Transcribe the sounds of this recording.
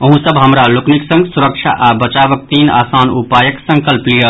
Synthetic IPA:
əɦũsəbɦəmɾalokniksə̃ŋɡsuɾək̚t͡ʃʰa̰ʔabət͡ʃabək̚t̪ina̰saːnupajəksə̃ŋkəlplijə

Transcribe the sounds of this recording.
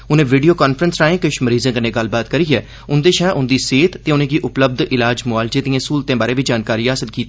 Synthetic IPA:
ʊnẽːʋiːɖijoːkaːnpʰɾənsɾaːẽːkɪʃməɾiːzãːkənẽːɡəlːbaːt̪kəɾiːɛː | ʊnd̪eːʃɛːʔʊnd̪iːseːt̪t̪ːeːʊnẽːɡiːʔʊpləb̚d̪ʔɪlaːd͡ʒmʊaːld͡ʒeːd̪iãːsuːlt̪ẽːbaːɾẽːʋiːd͡ʒaːnkaːɾiːɦaːsɪlkiːt̪ː

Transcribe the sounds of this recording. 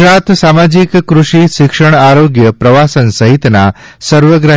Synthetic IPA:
ɾat̪samad͡ʑikkːɾuʂiʃikʂəɽ̃aɾoɡjəpɾəʋasənsəɦit̪na | səɾʋəɡɾa

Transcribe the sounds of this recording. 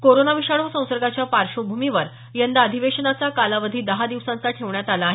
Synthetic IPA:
koɾonaʋiʂaɽosə̃w̃səɾɡat͡ɕjapaɾʂobʱumiʋəɾ | jənd̪aəd̪ʱiʋeʂənat͡sakalaʋəd̪ʱiːd̪əɦad̪iʋsãnt͡saʈʰeʋɳjat̪alaːɦe

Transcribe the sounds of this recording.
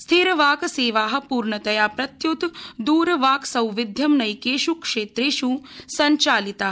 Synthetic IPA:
st̪ʰiɾʋaːkseːʋaːɦɐ̆puːɾɳɐt̪ɐjaːpɾɐt̪jut̪d̪uːɾʋaːksɐwʋid̪ʱjɐmnɐjkeːʃukʂeːt̪ɾeːʃusɐɲt͡ʃaːlit̪aː

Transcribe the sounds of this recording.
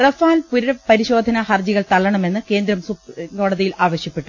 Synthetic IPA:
rɐfaːlpuɾɐpɐɾiɕo̞ːd̪ʱɐnɐhɐrd͡ʑiɣɐɭt̪ɐɭːɐɳɐme̞nːɨke̞ːnd̪ɾɐmsuko̞ːɖɐðijilaːʋɐɕjɐpːeʈːu

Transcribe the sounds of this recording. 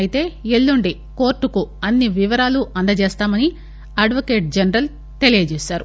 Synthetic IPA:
jit̪e̞ːelːuɳɖi | ko̞ːɾʈːukuɐnːiʋiʋɐɾaːluʔɐnd̪ɐt͡ʃeːst̪aːmɐni | ɐɖʋɐke̞ːʈ̚d͡ʒɐnɐɾɐl | t̪e̞lijɐd͡ʒeːsaːɾu

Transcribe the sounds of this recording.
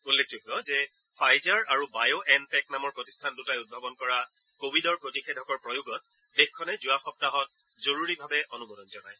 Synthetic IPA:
ulːek̚ʰzukɔzɛ | fʰajzaɹaɹubajoʔɛnpɛk̚namɔɹpoti̥stʰandutajud̚bʱabɔnkɔɹa | kobidɔɹpɹotixʰɛdʱɔkɔɹpɹɔjuɡɔt̚ | bexkʰːɔnɛzuwaxɔp̚taɦɔt̚ | zoɹuɹibʱabɛʔonumɔdɔnzɔnaj

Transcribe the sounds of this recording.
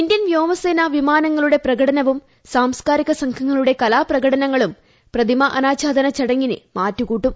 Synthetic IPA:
indjɐnʋjo̞ːmɐseːnɐʋimaːnɐŋːɐɭuɽe̞prɐɡɐɽɐnɐʋum | saːmskaːɾiɣɐsɐŋkʰɐŋːɐɭuɽe̞kɐlaːprɐɣɐɽɐnɐŋːɐɭum | prɐd̪ʱimɐʔɐ̰naːt͡ɕaːd̪ɐnɐt͡ɕɐɽɐŋːinɨ̰maːtːukuːʈːum

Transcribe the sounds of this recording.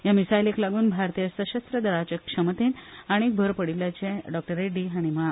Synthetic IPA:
jamisajleklaɡuːnbʱaɾt̪ijəsəɕəst̪ɾəd̪əɾat͡ɕəkʂəmət̪eːnaɽ̃ik̚bʱəɾpəɽiljat͡ɕẽɖɔk̚ʈəɾeɖiɦaɽ̃ima

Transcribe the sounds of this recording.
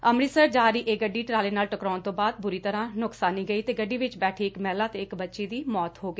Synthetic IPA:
əmɾiːsəɾd͡ʒaːɾiːʔeːɡəɖːiːʈɾaːleːnaːlʈəkɾaːnt̪õːbaːd̪̚bʊɾiːt̪əɾãːnʊksaːniːɡəiːt̪eːɡəɖːiːʋɪt͡ʃbɛːʈʰiːɪkmɛːlaːt̪eːɪkbətːʃiːd̪iːmɔːt̪ɦoːɡiː

